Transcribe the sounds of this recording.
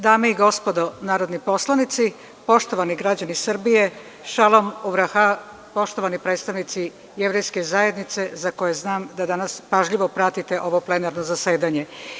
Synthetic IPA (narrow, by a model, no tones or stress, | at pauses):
d̪aːmeiɡo̞spo̞d̪o̞naːɾo̞d̪nipo̞slˠanit̪si | po̞ʃt̪o̞ʋaniɡɾad͡ʑanisr̩bije̞ | ʃalo̞muʋɾaxa | po̞ʃt̪o̞ʋanipɾet̪st̪aʋnit̪si | jeʋɾe̞jske̞zaje̞d̪nit̪se̞zakoje̞znaːmd̪ad̪anaspaʒʎiʋo̞pɾat̪it̪e̞ʔo̞ʋople̞naɾnozase̞ːd̪aɲe̞